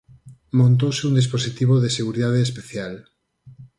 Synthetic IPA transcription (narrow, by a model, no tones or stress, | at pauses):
mõnt̪̬owseund̪isposit̪iβ̞oðeseɣuɾiðaðeːspeθjal